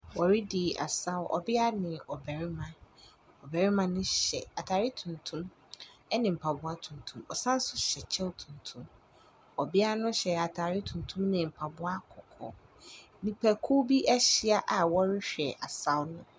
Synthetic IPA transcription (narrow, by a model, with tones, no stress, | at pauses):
wɔ˨ɾɪ˦di˨a̰˨sa˦wʔɔ̰˨bɪ˦a˦nɪ̃˨ɔ˨bɛ˨ɾɪ˦mã˦ | ɔ˨bæ˨ɾɪ˦mã˦nʊ̃˦ɕɛ̰˨a˨tʰaː˨ɾɪ˦tʰũ˨ntʰũ˦m | ɛ˦nɪ̃˨m̩˨pʰa˨bʊ˦a˦tʰũ˨ntʰũ˦mɔ˨sã˦n̩˦sʊ˦ɕɛ˨t͡ɕʰɛ˦wtʰũ˨ntʰũ˦m | ɔ˨bɪ˦a˦nʊ̃˦ɕɛ˨a˨tʰaː˨ɾɪ˦tʰũ˨ntʰũ˦mnɪ̃˨m̩˨pʰa˨bʊ˦a˦kʰɔ˨kʰɔ̰˦ | nĩ˨pʰæ˨kʰu˦bi˦ʔɛ˦ɕɪ˦a˨ʔa˨wɔ˦ɾɪ˦ɕᶣɛ˨ʔa˨sa˦wnʊ̃˦